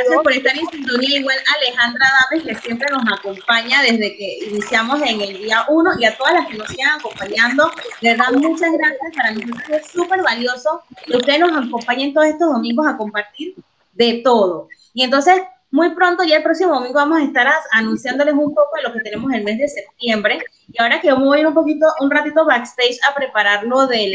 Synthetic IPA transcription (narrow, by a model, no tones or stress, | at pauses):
sakoɾest̪aɾensint̪o̞niaiɣwenale̞xand̪ɾaðameske̞sje̞mpɾe̞no̞sako̞mpaɲaðe̞zðe̞ke̞inisjamo̞se̞ŋeld̪iaʔuno̞ʔiat̪o̞ð̞azlaske̞nosiɣaŋako̞mpaɲand̪o̞be̞ɾðaðmut͡ʃazɣɾasjaspaɾano̞so̞t̪ɾosesupe̞ɾβaljo̞so̞keust̪eeno̞sako̞mpaɲent̪o̞ðose̞st̪o̞zðo̞mĩŋɡo̞sako̞mpaɾt̪iɾ | d̪e̞t̪o̞ð̞o̞ | ie̞nt̪o̞nse̞s | mujpɾo̞nt̪o̞ʝaelpɾo̞ksimo̞ðo̞mĩŋɡo̞βamo̞saest̪aɾaanũnsjand̪o̞le̞sumpo̞ko̞ðelo̞ke̞t̪e̞ne̞mo̞se̞lme̞zðe̞se̞p̚t̪je̞mbɾe̞ | iaoɾake̞βomeβjeɾumpo̞kit̪o̞ʔunrat̪̬it̪o̞βakst̪ejt͡ʃapɾe̞paɾaɾlo̞ðe